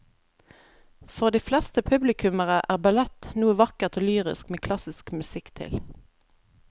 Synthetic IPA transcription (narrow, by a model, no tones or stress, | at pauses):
fɔʁd̪iːflɛst̪əpʰʉblɪkʰʉməʁəʔæːʁbɑlɛt̪nuːəʋɑkəʁt̪ʰoːlyːʁɪ̰skmeːkʰlɑsɪskmʉsɪkt̪ʰɪ̰l